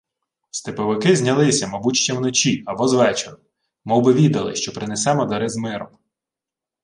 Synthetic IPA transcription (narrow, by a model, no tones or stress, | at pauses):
st̪ɪpɔʋɪkɪzʲnʲɐlˠɪsʲɐmɐbutʲʃt͡ʃʲɐwnɔt͡ʃiɐbɔzʋɛt͡ʃeɾʊ | mɔbɪʋʲid̪ɐlˠɪ̰ʃt͡ʃɔpɾɪnesɛmɔd̪ɐɾɪzmɪɾɔ̰m